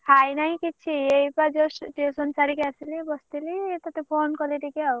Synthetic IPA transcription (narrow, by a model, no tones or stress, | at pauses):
hajnaĩkit͡ʃʰiejpad͡ʒɔsʈesɔnsaɾikeasilibɔst̪ilit̪ɔt̪epʰonkɔleʈikeaw